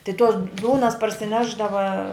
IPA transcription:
tɐɪ toːs ˈduːnɐs pɐrʲsʲɪˈnʲæːʒdɐʋɐ

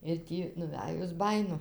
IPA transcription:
ɪr ˈtʲiː nʊˈʋʲæjʊs ˈbɑːjɪnʊ

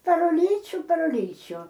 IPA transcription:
pɐr ʊˈlʲiːt͡ʃʲʊ pɐr ʊˈlʲiːt͡ʃʲuː

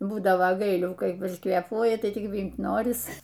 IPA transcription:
buːdɐʋoː ˈɡɐɪlʲuː kɐɪ ʊʃkʋʲeːˈpuɔjɪ tɐɪ ˈtʲɪk ˈʋʲiːmt ˈnoːrʲɪs

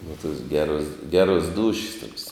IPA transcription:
nʊ toːs ˈɡʲæːroːs ˈɡʲæːroːs ˈduːʃʲɪs toːks

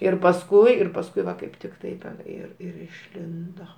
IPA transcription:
ɪr pɐsˈkʊɪ ɪr pɐsˈkʊɪ ˈʋɐ kɐɪp ˈtʲɪk ˈtɐɪp tʲɛn ˈɪr ɪr ɪʃʲˈlʲɪndoː

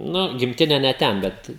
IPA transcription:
ˈnʊ ɡʲɪmʲˈtʲɪnʲɛ nʲɛ ˈtʲɛn ˈbʲɛt

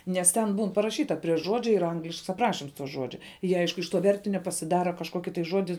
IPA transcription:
nʲɛs ˈtʲɛn ˈbuːn pɐrɐˈʃʲiːtɐ pʲrʲiɛ ˈʒuɔd͡ʒʲɛ iːr ˈɐŋɡlʲɪʃks ɐpˈrɑːʃʲɪms ˈʒuɔd͡ʒʲɛ ˈjiɛ ˈɐɪʃkʊ ɪʃ toː ˈʋʲɛrʲtʲɪnʲoː pɐsʲɪˈdɑːrɐ kɐʃˈkuɔkʲɪ tɐɪ ˈʒuɔdʲɪ

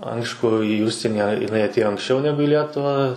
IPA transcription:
ˈɐɪʃkʊ iː ˈʊʃʲsʲiɛnʲɪ jɪˈnɐɪ ɐtʲˈeːjoː ɐŋksʲˈt͡ʃʲɛʊ ˈnʲæːɡʊ ɪ ˈlʲiɛtʊʋɑː

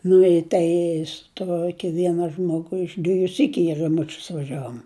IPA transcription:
nʊ ɪ ˈtɐɪ sʊ ˈtuɔkʲɪ ˈʋʲiɛnɐ ˈʒmoːɡʊ ɪʃ ˈdʲʋʲiɛjʊ ˈsʲiːkʲʊ ɪ rɐˈmʊt͡ʃʲʊs ʋɐˈʒʲæːʋoːm

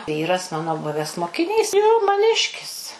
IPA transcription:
ˈʋʲiːrɐs ˈmɑːnoː ˈbʊʋʲɛs moːkʲɪˈnʲiːs joː mɐˈnʲɪʃʲkʲɪs

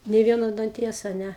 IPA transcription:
nʲɛɪ ˈʋʲiɛnoː dɐnʲˈtʲiɛs ɐ ˈnʲɛ

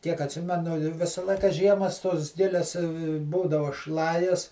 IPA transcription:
tʲiɛk ɐtʲˈsʲɪmʲɛnʊ ˈʋʲɪsɐ ˈlˠɐɪkɐ ˈʒʲiɛmɐs toːs ˈɡʲɪlʲɛs ˈbuːdɐʋɐ ˈʃlˠɑːjɛs

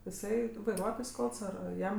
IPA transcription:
ɪˈsɐɪ ʋɐɪˈruɔtoːjs ˈkɐlˠts ɐr ɐr ˈjɛm

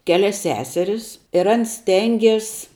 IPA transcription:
ˈkʲæːlʲɛs ˈsʲæːsʲɛrʲɪs ɪr ˈɐns ˈsʲtʲɛŋʲɡʲeːs

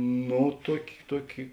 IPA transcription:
ˈnoː ˈtuɔkʲɪ ˈtuɔkʲɪ

